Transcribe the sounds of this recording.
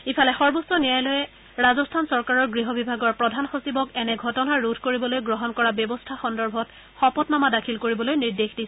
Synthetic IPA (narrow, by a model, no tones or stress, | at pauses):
ipʰalɛxɔɹbosɔnijajlɔjɛ | ɹazɔstʰansɔɹkaɹɔɹɡɹiɦɔbibʱaɡɔɹpɹɔdʱanxosibɔkɛnɛɡʱɔtɔnaɹudʰʱkoɹibɔlojɡɹɔɦɔnkɔɹabjɔbɔstʰaxɔndɔɹbʱɔt | xɔpɔtmamadakʰilkoɹibɔlojniɹdexdisɛ